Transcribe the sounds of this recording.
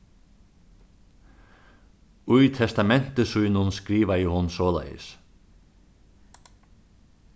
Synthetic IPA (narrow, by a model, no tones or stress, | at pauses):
ʊjt̪ʰɛst̪amɛn̥t̪əsujnʊnskɾiːʋajɪɦʊnsɔːla̰jə̰s